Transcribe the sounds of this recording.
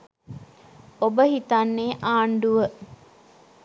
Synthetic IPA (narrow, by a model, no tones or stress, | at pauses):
obəɦit̪anːeːʔaːɳɖuʋə